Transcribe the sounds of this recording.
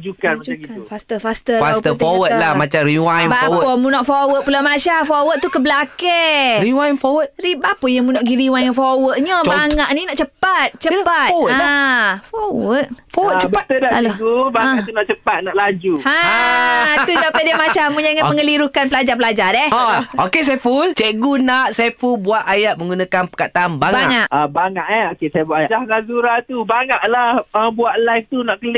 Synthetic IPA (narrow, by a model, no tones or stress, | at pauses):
d͡ʒukand͡ʒuaikaufast̪əfast̪əfast̪ətfowət̪̚lamat͡ʃaɾiwajbapwɔmunɔʔfowət̪̚pulamaʃafowət̪̚t̪ukəbəlakɛɾiwajnfɔwət̪̚ribapɔjaŋmunɔʔɡiɾiwajŋanfowəʔ̚ɲəbaŋaʔninaʔt͡ʃəpat̪̚t͡ʃəpat̪ɔwafowət̪̚fɔwət͡ʃəbat̪ədaalɔt̪ubaat̪unaʔt͡ʃəpat̪̚naʔlad͡ʒuha | t̪usampajdiamat͡ʃammuɲaiŋaməŋəliɾukanpəlad͡ʒarpəlad͡ʒaɾɛɔokes̬ajafult͡ʃɛʔɡunaʔsajafulbuaʔajaʔ̚mə̃ŋɡunãkanpə̥kaʔt̪ːmbaŋbaaŋaʔabaŋaʔɛokesajabuaʔajaaŋazuɾat̪ubaŋaʔlahəbuaʔlajf̚t̪unaʔkəlɪ